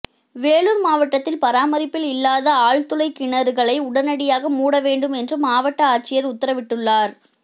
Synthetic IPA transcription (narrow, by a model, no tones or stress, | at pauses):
ʋeːɭuɾmaːʋɐʈːɐt̪ːɪlpɐɾaːmɐɾɪpːɪlɪlːaːðɐaːɭt̪ʊlɐɪkɪɳɐɾɯɣɐɭɐɪʊɽɐnɐɽɪjaːɣɐmuːɽɐʋeːɳɖɯmɛndrɯmaːʋɐʈːɐaːt͡ʃɪjɐɾʊt̪ːɐɾɐʋɪʈːɯɭːaːɾ